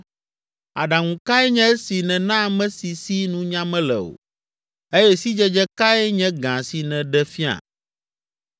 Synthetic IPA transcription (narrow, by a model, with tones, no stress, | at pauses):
a̰˨ɖa˨ŋũ˨ka˦ɛ˦ɲɛ̃˦si˨nɛ̃˨nã˦mɛ̃˦si˨si˦nũ˦ɲã˦mɛ̃˦lɛ̰˨o̰˨ | e˦jɛ˦si˦d͡ʒɛ˦d͡ʒɛ˦ka˦ɛ˦ɲɛ̃˦ɡã˨si˨nɛ̃˨ɖɛ˦fi˦a̰˨